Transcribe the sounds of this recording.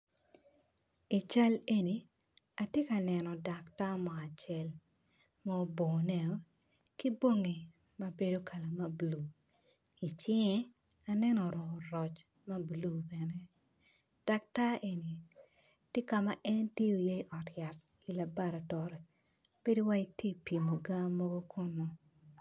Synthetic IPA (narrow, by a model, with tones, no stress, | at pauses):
i˨t͡ʃa˦le˦ni˨ | a˨tje˦ka˨nɛ˨nɔ˨da˨kta˦mɔ˨a˨t͡ʃɛ˦l | mɔ˦o˦bo˨nɛ˨o˦ | ki˦bo˦ŋi˨ | ma˦be˦do˦kʰa˨la˨ma˦blu˨ | i˨t͡ʃɪ˦ŋɛ˦ | a˨nɛ˦nɔ˨ɾɔ˨ɾɔ˨t͡ʃ | ma˦blu˨bɛ˨nɛ˦ | d̥a˨k̚ta˦e˨ni˨ | tje˦ka˨ma˨ʔɛ˦nte˦o˨je˦i˨ʔɔ˨tja˨t̚ | i˨la˨ba˦˨ɾa˨tɔ˨ɾɛ˨ | b̥e˦di˦wa˦i˦ti˦pi˨mo˨ɡa˦mːɔ˦ɡo˦kʰʊ˦nɔ˨